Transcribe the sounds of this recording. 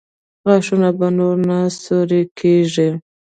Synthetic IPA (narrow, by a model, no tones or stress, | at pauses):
ɣaʂunabanoɾnasoɾekʰeʐi